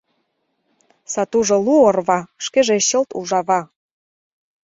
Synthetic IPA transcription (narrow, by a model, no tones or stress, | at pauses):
sɑt̪uʒŏluorβɑʃkeʒeɕəlt̪ṵʒɑβɑ